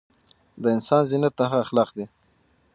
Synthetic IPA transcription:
d̪əɪnsɑnzinat̪axaːxlɑqd̪e

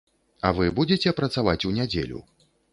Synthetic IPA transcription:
ɐvɨbud͡zʲet͡sʲɛpɾɐt̪savat͡sʲunʲad͡zʲḛlʲṵ

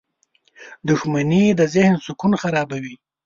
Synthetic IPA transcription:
d̪ʊxmanid̪əzɪhnsʊkunxaɾɑbawi

